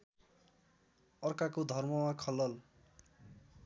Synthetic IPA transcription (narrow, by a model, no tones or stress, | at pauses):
ʌrkakod̪ʱʌrmʌwakʰʌlːʌl